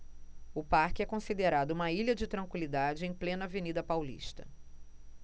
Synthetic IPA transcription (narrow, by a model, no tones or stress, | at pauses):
ʊpaɾkɪɛkõsid̪eɾad̪ʊũmɐiʎʲɐd͡ʒɪt̪ɾɐ̃ŋkwilid̪ad͡ʒɪẽj̃plẽnɐvenid̪ɐpawlḭʃt̪ɐ